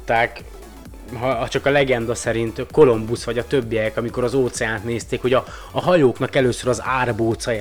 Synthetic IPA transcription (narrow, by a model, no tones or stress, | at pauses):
t̪ːaːk | ɦɒt͡ʃɒkɒlɛɡɛnd̪ɒsɛɾint̪ko̞lo̞mbusʋɒɟɒt̪øbːijɛkɒmiko̞ɾɒzoːt̪sɛjaːnt̪neːst̪eːkho̞ɟɒː | ɦɒjoːknɒkɛløːsøɾɒzaːrboːt̪sɒj